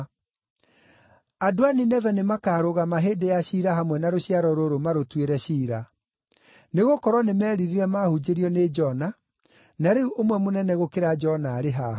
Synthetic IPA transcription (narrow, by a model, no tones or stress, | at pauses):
adoaninɛvɛnemakaːɾoɣamaɦeːdejaɕiɾaɦamwɛnaɾoɕiaɾɔɾoɾomaɾotweɾɛɕiːɾa | neɣokɔɾwɔnemɛːɾiɾiɾɛmahud͡ʒeɾiɔned͡ʒɔna | naɾeuʔomwɛmonɛnɛɣokeɾad͡ʒɔnaːɾeɦa